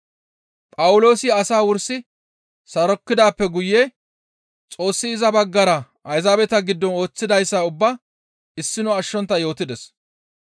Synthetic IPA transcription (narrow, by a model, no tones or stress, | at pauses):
pʼɐwʊlo̞ːsɪɐsaːwʊɾsɪ | sɐɾɔkːɪd̪aːpːɛɡʊjːe | t͡sʼo̞ːsːɪɪzɐbɐɡːɐɾɐ | ʔɐjzaːbɛt̪ɐɡɪd̪ːɔno̞ːt͡sːɪd̪ɐjsːaʊbːa | ɪsːɪnʊɐʃːɔnt̪ːɐjo̞ːt̪ɪd̪ɛs